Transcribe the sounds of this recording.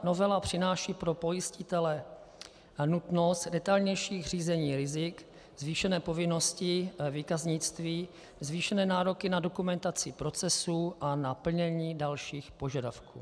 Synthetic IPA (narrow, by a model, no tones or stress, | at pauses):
no̞vɛlapr̝̥ɪnaːʃiːpɾo̞po̞jɪscɪt̪ɛlɛ | nut̪no̞st̪dɛt̪alɲɛjʃiːɣr̝iːzɛɲiːɾɪzɪk | zviːʃɛnɛːpo̞vɪno̞scɪviːkazɲɪt͡st̪viː | zviːʃɛnɛːnaːɾo̞kɪnado̞kumɛnt̪at͡sɪpɾo̞t͡sɛsuːʔanapl̩ɲɛɲiːdalʃiːxpo̞ʒadafkṵː